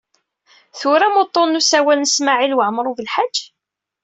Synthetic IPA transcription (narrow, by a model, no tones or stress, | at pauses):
θʊɾamot̪ˤːonːusæwælnəsmaʕilwəʕmɾˤuvəlħḁd͡ʒː